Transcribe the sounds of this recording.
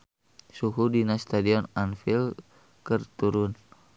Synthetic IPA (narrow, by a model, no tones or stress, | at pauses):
suɦudinast̪adiɔnanfil | kərt̪uɾun